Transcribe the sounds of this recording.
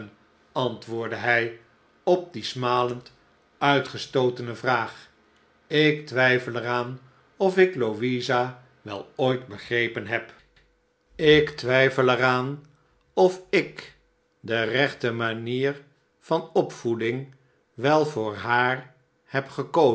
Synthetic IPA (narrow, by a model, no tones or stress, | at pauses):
n | ɑntʋʊːɹdəɦɛj | ɔp̚dismaːlənt | œɥtχəstowtənəvraːχ | ɪk̚tʋɛjfəlɛraːn | ɔfɪkloʋiza | ʋɛ̰lˠoːjtbəχrejpənɦɛp | ɪktʋɛjfəlɛɾaːn | ɔfɪk | dərɛχtəmaniːɹ | vɑnɔpfudɪŋ | ʋɛlˠvʊːɹɦaːɹ | hɛpχəko